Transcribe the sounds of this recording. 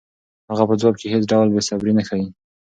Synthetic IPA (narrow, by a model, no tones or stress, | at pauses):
haɣapəd͡zwɑb̚kehet͡sɖawlbesabɾinaxawi